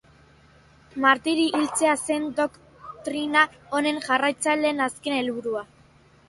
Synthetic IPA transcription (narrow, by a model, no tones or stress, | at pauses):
maɾt̪iɾiʔːlt͡se̞ase̞nd̪o̞k | t̪ɾina | o̞ne̞ŋʝarajt͡salenaske̞ne̞lβuɾua